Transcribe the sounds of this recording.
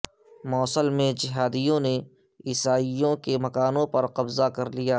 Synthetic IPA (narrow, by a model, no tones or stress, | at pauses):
mɔːsəlmẽd͡ʒɪɦaːd̪ijõne | ɪsaːijõkemɐkaːnõpɐɾqɐbzakɐɾlijaː